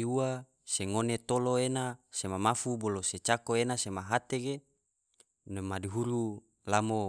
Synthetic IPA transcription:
uwa | seŋonet̪oloenasemamafuboloset͡ʃakoenasemaɦat̪eɡe | nemadiɦuɾu | lamo

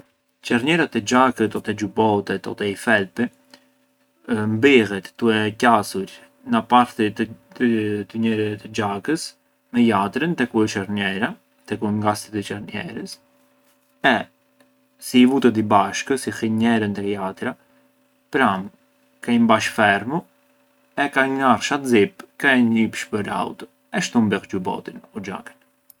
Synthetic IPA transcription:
t͡ʃɛɾɲɛɾat̪ɛd͡ʒakət̪ɔt̪ɛd͡ʒubɔt̪ɛt̪ɔ̰t̪ɛifɛlpɛ | mbɛɣɛt̪ːuɛcasuɾ | napaɾt̪ | t̪əɲɛɾɛt̪ɛd͡ʒakəs | mɛjat̪ɾənt̪ɛkuɛt͡ʃɛɾɲɛɾa | t̪ɛkuŋɡast̪ɛt̪ət͡ʃɛɾnɛ̰ɾəs | ɛ | siːvut̪ət̪̬ibaʃkəsixiɲɛɾənt̪ɛjat̪ɾa | pɾam | kɛjmbaʃfɛɾmu | ɛkaɲnarʃat̪zip̚kɛɲipʃpəɾa̰wt̪ɔ | ɛʃt̪umbɛχd͡ʒubɔ̰t̪inud͡ʒa̰kə̥n

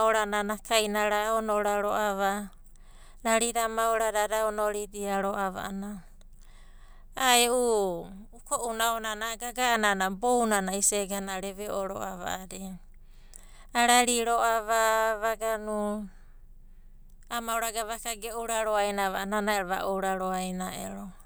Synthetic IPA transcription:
oɾananakajnaɾaonoɾaɾo̰ʔaβa | ɾaɾiɾamaoɾaɾaɾaonoɾidiaɾoʔaβa̰ʔana | aeuukoʔunaonanaɡaɡaːnanabownanaiseɡhanaɾeβeʔoɾo̰aβa̰aɾe | aɾaɾiɾoaβaβaɡanu | amawɾaɡaβakaɡeʔuɾaɾoajnaβaananaeɾβa̰ʔoɾaɾoajnaḛɾo

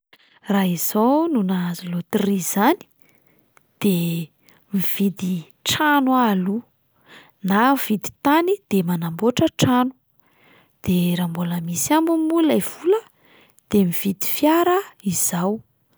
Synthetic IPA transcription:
raɦiz̥onunazilot̪iriz̥ani̥ | d̪̥e | miv̥id̪i | ʈ͡ʂanwaalu | nav̥id̪i̥t̪anid̪̥emanamboʈ͡ʂəʈ͡ʂanu̥ | d̪̥eɾambuləmisambumulajv̥ulə | d̪̥emiv̥id̪i̥fjaɾəiz̥aw

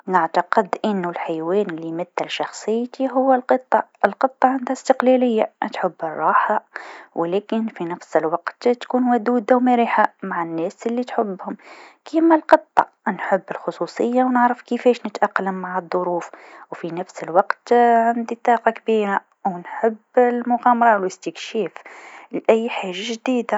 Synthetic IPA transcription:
nɪʕt̪aqɪd̪ʔɪnːʊlħajwɛːnɪlːimɪd̪ːɪlʃɑxsˤəjːt̪iɦʊwːɪlqɨt̪ˤːɑʔɪlqɨt̪ˤːɑʕand̪hæst̪ɪqlælɪjːat̪ħəbːərˤːɑːħawʔlɛːkɪnfinæfsɪlwɑqt̪t̪kuːnwæd̪uːd̪awmæɾiːħamaʕanːɛːsʔɪlːit̪ħəbːhʊmkimalqɨt̪ˤːɑ | nħəbːɪlxʊsˤusˤəjːawnəʕɾəfkəfɛːʃnət̪ʔaqːləmːaʕəðˤːʊɾuːfwfinæfsəlwɑqt̪ʕand̪it̪ˤːɑːqɑkbiːɾa | wnħəbːlmʊɣæːmɑɾˤɑlɪst̪əkʃɛːflʔæjːħaːʒaʒd̪iːd̪a

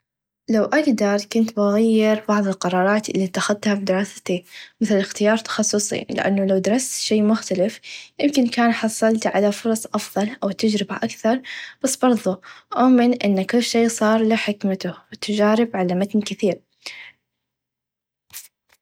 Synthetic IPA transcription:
lawʔaɡd̪ɑɾˤkʊnt̪baɣajːɪɾbɑʕðˤɪlqɑɾˤɑːɾˤɑːt̪ʔɪlːit̪ːaxaðt̪hafid̪ɪɾˤɑːsḁt̪imɪθlɪxt̪ɪjɑːɾˤt̪ɑ̥xɑsˤːʊsˤḭlɪʔa̰nːalawd̪ɾˤɑst̪ʃeːmʊxt̪alɪfjɪmkɪnkaːnħɑsˤːɑlt̪ʕalafʊɾˤɑsˤʔɑfðˤɑlʔawt̪ɪd͡ʒɾɪbaʔakθɑɾˤb̥asːbɑɾˤðˤuʔaʔmɪnʔɪnːakʊlːʃeːsˤɑːɾˤlɪħɪkmat̪ʊwɪt̪ʊd͡ʒaːɾɪbʕalamat̪nkɪθiːɾ

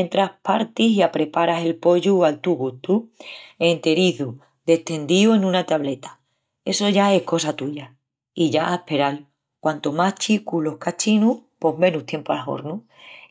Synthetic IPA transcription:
ent̪ɾahpaɾt̪isiapɾe̞paɾase̞lpo̞ʎualt̪uɣut̪ue̞nt̪e̞ɾiðu | d̪e̞ht̪e̞nd̪iue̞nũnat̪aβle̞t̪ḁ | e̞so̞ʝae̞hko̞sat̪uʝa | iʝaʔaepe̞ɾal | kwant̪omaht͡ʃikulo̞hkat͡ʃinupo̞ɦmẽ̞nuht̪je̞mpoalɦo̞̰ɾnu

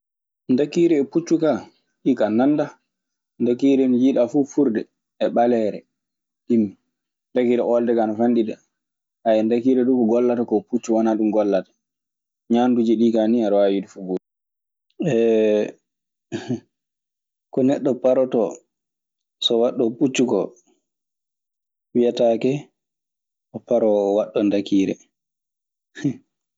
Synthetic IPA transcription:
ndakiɾɛːput͡ʃːuka | ɗikananda | ndakiɾɛnjiɗafufuɾdɛ | ɛɓalɛɾɛ̰ | ɗimːi | ndakiɾɛʔɔldɛkanafanɗidɛ | ajɛndakiɾɛɗukɔɡɔlːatakɔput͡ʃːuwanaɗumɡɔlːatḁ | ɲandud͡ʒiɗikaniaɾwawidufuɡud | ɛ | kɔnɛɗːɔpaɾɔtɔ | sɔwaɗːɔput͡ʃːukɔ | wijatakɛ | ɔpaɾɔwaɗːɔndakiɾɛ̰

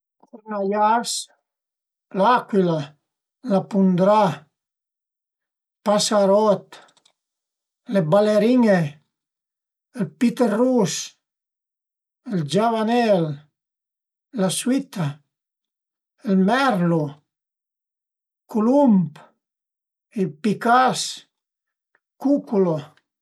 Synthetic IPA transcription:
unajas | lakwila | lapund̪ɾa | pasaɾɔt̪ | lebaleɾiŋe | elpit̪erus | eld͡ʒaβanɛl | aswit̪a | elmɛɾlo | kulump | ilpikas | kukulo

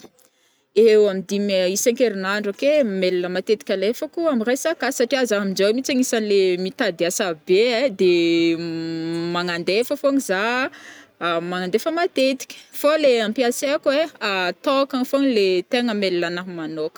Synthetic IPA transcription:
ewamid̪imisaŋkeɾinaɳɖ͡ʐokemelinəmat̪et̪i̥kʲalefəkuamiresakasaʈ͡ʂiazaamind͡ʒowmit͡saŋisanlemit̪ad̪iasabed̪e | maŋand̪efəfoŋiza | maŋand̪efəmat̪et̪i̥kʲə̥foleampiaseakeat̪okaŋfoŋilet̪eŋəmelinanamanokə̥

